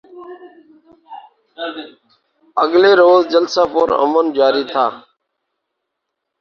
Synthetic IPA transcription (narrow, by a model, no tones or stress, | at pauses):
əɠleːɾoːzd͡ʒəlsaːpoːɾə̰mənd͡ʒaːɾiːt̪ʰa̰ː